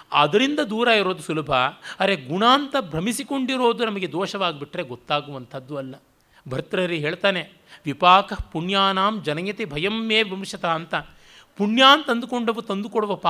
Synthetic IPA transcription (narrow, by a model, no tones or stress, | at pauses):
a̰ːd̪ɐɾind̪ɐd̪uːɾaːiɾo̞ːd̪usulɐbʱɐɐɾeɡuɳaːnt̪ɐbʱɾɐmisiko̞ɳɖiɾo̞ːd̪unɐmɐɡe̞d̪ɔːʃɐʋaːɡibiʈːɾeɡot̪ːaːɡuʋɐnt̪ʰɐd̪ːuɐlːɐ | bʱɐɾt̪ɾɐɾiɦe̞ːɭt̪aːne | ʋipaːkɐpuɳjaːnaːmd͡ʒɐnɐjɐt̪ebʱɐjɐmjeːʋimɾʂɐt̪aːnt̪ɐ | puɳjaːnt̪ɐnd̪uko̞ɳɖɐʋut̪ɐnd̪ukoɽuʋɐpaː